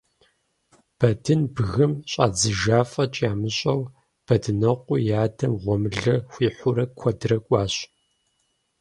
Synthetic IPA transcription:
b̥ɐdɨnbɣɨmɕʼa̰ːd͡zɨʒaːfʼɐt͡ʃʼaːmɨɕʼɐw | b̥ɐdɨnɐqʷʼʊjaːdɐmʁʷɔmɨɮɐxʷiːħʷʊɾɐkʷʰɔdɨrɐkʷʼɑːɕ

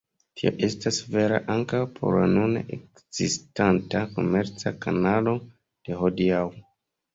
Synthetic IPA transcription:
tio̰ʔe̞stasve̞ɾa̰ʔaŋkawpʰo̞̰ɾla̰nuna̰ʔek | z̥istantako̞me̞ɾt͡sakanalo̞ | d̥e̞hodiaw

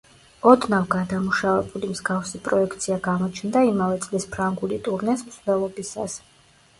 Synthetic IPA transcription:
ɔd̪navɡad̪amuʃavɛbulimzɡafsipʼɾɔɛkʰt̪sʰiaɡamɔt͡ʃʰnd̪aimavɛt̪sʼlispʰɾaŋɡulit̪ʼuɾnɛsmsd̪ɛlˠɔbisa̰s

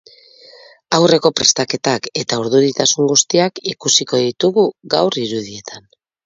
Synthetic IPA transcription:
awre̞ko̞pɾe̞̰st̪ake̞t̪ake̞t̪auɾðuɾit̪asuŋɡust̪iakikusiko̞ðit̪uɣuɣawriɾuð̞ie̞t̪ʰan

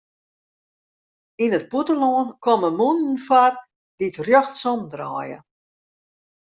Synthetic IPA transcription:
inət̚putəloənkɔməmunn̩far | ditrjoxtsɔmdra̰ːjə̰

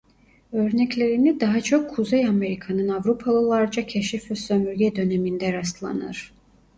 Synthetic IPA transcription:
ø̞ɾnɛclʲe̞ɾinid̪aɦat͡ʃʰo̞kʰːuzejame̞ɾikʰanɯnavɾupʰalˠɯlˠaɾd͡ʒacʰeʃifɛsømyɾɟʲɛd̪ø̞nemind̪ɛɾast̪lˠa̰nɯ̰ɾ̥

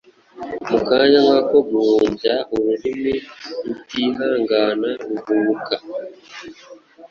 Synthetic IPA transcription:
mukaːɲaŋakoɡuuːmbjauβuɾimiutiːɦaːŋɡaːnauβuuka

